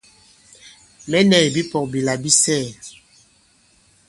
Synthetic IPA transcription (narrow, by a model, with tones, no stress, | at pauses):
mɛ˦nɛ˨bi˦pɔ˨k̚bi˨la˨bi˦sɛ˦˨